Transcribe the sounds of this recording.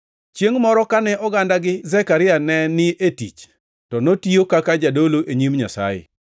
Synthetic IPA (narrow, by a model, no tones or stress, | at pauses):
t͡ʃjeŋmɔɾɔkanɛʔɔɡandaɡɪzɛkaɾɪanɛnɪʔetḭt͡ʃ | tɔnotiokakad͡ʒadoloʔeɲimɲasa̰jɪ̰